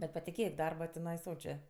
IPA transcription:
bʲɛt pɐtʲɪˈkʲeːk ˈdɐrbɐ tʲɪˈnɐɪ ˈsoːt͡ʃʲeː

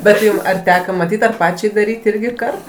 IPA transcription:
bʲɛt ˈjʊm ɐr ˈtʲæːkɐ mɐˈtʲiːtʲ ɐr ˈpɑːt͡ʃʲɛɪ dɐˈrʲiːtʲ ˈɪrʲɡʲɪ ˈkɐrt

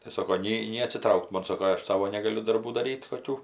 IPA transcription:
tɐɪ ˈsoːkoː ˈnʲɛɪ nʲɛɪ ɐtʲsʲɪˈtrɐʊkt ˈmoːn ˈsoːkoː ˈɐʃ ˈsɑːʋoː nʲɛɡɐˈlʲʊ dɐrˈbuː dɐˈrʲiːtʲ koːˈkʲuː

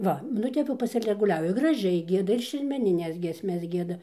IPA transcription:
ˈʋɐ nʊ ˈtʲɛp jɛʊ pɐsʲɪlʲɛɡʊˈlʲæːʋʲɪ ɡrɐˈʒʲɛɪ ˈɡʲiɛdɐ ɪr ʃʲɛrʲmʲɛnʲɪˈnʲɛs ɡʲiɛsʲˈmʲɛs ˈɡʲiɛdɐ

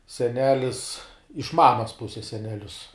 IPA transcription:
sʲɛˈnʲæːlʲɪs ɪʃ ˈmɑːmɐs ˈpʊsʲɛs sʲɛnʲɛˈlʲʊs

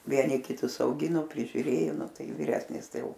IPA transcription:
ˈʋʲiɛnʲɪ kʲɪˈtʊs ɐʊˈɡʲɪnoː pʲrʲɪʒʲʊˈrʲeːjoː ˈnʊ ˈtɐɪ ʋʲɪˈrʲæːsʲnʲɪs ˈtɐɪ ˈjɛʊ

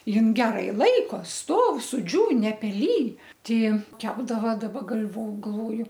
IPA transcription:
ˈjɪn ˈɡʲæːrɐɪ ˈlˠɐɪkoː ˈstoːw sʊˈd͡ʒʲuːn nʲɛpʲɛˈlʲiːj ˈtʲɪ ˈjɪn ˈkʲæːbdɐʋɐ dɐˈbɐ ɡɐlʲʋoː ɡɐlˠˈʋoːjʊ

